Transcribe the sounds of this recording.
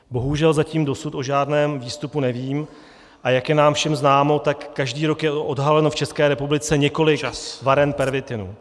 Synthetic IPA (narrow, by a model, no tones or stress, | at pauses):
bo̞ɦuʒɛlzaciːmdo̞sut̪o̞ʒaːdnɛːmviːst̪upunɛviːm | ʔajakjɛnaːmfʃɛmznaːmo̞t̪akːaʒdiːɾo̞kjɛʔodɦalɛno̞ft͡ʃɛskɛːɾɛpublɪt͡sɛɲɛko̞lɪkvaɾɛnpɛɾvɪt̪ɪnṵ